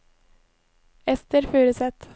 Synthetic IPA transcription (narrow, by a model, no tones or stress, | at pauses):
ɛst̪əɾfʉːɾəsɛt̪